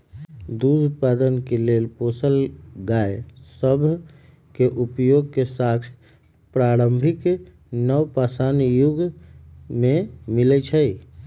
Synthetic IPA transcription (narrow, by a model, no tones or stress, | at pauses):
d̪ud̪upad̪ənkelelposəlɡaesəbʱ | keʔupjoɡkesaksʰ | pɾaɾəmbʱik | nəwpasanjuɡ | memilɛt͡ʃʰəi